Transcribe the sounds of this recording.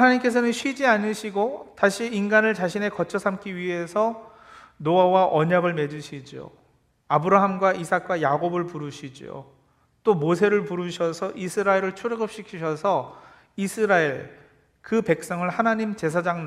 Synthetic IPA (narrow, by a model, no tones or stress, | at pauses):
anaɲimk͈e̞sʰʌnɯnɕʰɥid͡ʑianɯɕʰiɡotaɕʰiːnɡanɯɭt͡ɕaɕʰine̞kʌt͡ɕʰʌsʰamk͈iɥiɦe̞sʰʌ | noawaʔʌɲaɡɯɭme̞d͡ʑuɕʰid͡ʑio̰ | abɯɾaɦamɡwaʔisʰak̚k͈wajaɡobɯɭpuɾuɕʰid͡ʑio̰ | t͈omos̬ʰe̞ɾɯɭpuɾuɕʰʌsʰʌʔisʰɯɾaeɾɯɭt͡ɕʰuɾeɡɯp̚ɕ͈ikʰiɕʰʌsʰʌ | isʰɯɾaeɭ | kɯpe̞k̚s͈ʌŋɯɭhanaɲimt͡ɕe̞sʰad͡ʑaŋn